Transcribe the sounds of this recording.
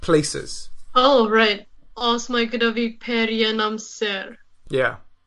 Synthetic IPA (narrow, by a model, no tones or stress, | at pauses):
pʰl̥eɪsɪ̰z̥oʊɹaɪt̚ɔsmaɪɡɨdʌvipʰɛɾijənãmsɛɹ | jæ̰